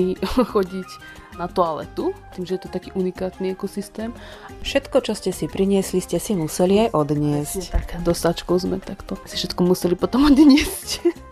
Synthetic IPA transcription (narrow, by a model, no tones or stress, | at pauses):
ixɔɟic | nat̪ɔalɛ̰t̪ut̪iːmʒɛjɛt̪ɔt̪akiːʔunikaːt̪niakɔsist̪ɛːm | fʃɛt̪kɔt͡ʃɔscɛsipɾiɲɪɛsliscɛsimusɛliajʔɔd̪ɲɪɛsct̪kd̪ɔsat͡ʃkɔʊzmɛ̰t̪akt̪ɔsi̥fʃɛt̪kɔmusɛlipɔt̪ɔmɔd̪ɲɪɛsc